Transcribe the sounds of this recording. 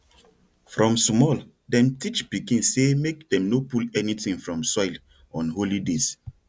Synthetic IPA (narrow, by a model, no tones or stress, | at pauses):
fɹɔ̃msmɔl | dɛ̃mtit͡ʃbikĩnsemekdɛ̃mnopulɛnitĩŋfɹɔ̃msɔil | ɔ̃nholides